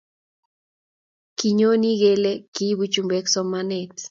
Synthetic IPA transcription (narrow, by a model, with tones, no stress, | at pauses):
ki˨ɲo˦ni˦ɡe˦le˦ki˦bu˦t͡ʃumbɛ˦ksɔ˦manet